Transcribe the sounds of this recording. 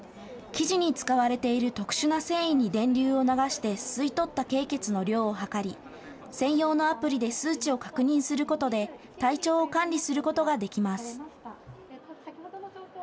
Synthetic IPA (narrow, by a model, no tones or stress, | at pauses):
kʲiʑiɲ̟it͡sɨ̥kaβaɾe̞t̪e̞iɾɯ̟t̪o̞kɯ̟̥ɕɨnase̞ːĩɲ̟ːid̪ẽ̞nɾʲɨːo̞naɡaɕi̥t̪e̞sɨit̪o̞t̪ːake̞ːke̞t͡sɨno̞ɾʲo̞ːoɦakaɾʲi | sẽ̞ɰ̃jo̞ːno̞apɯ̟ɾʲid̪e̞sɨːt͡ɕio̞kḁkɯ̟ɲ̟ĩɰ̃sɨɾɯ̟ko̞t̪o̞d̪e̞ | t̪ait͡ɕo̞ːkãnɾʲisɨɾɯ̟ko̞t̪o̞ɡad̪e̞kʲimasɨ̥